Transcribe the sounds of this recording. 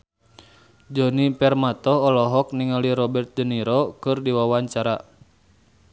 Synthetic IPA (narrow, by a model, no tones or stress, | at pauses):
d͡ʒɔnipɛrmat̪ɔɦɔlɔɦɔk̚niŋaliɾɔbɛrt̪̚d͡ʒəniɾɔkɨrdiwawaɲt͡ʃaɾa